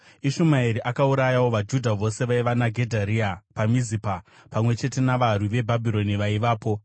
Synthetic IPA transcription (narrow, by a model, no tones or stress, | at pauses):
iʃumaiɾiʔakauɾajawo̞ʋad͡ʒudʱaʋo̞se̞ʋaiʋanaɡʱe̞dʱaɾiapamizipa | pamwe̞t͡ʃe̞te̞naʋarwiʋe̞bʱabʱiɾo̞niʋaiʋaːpo̞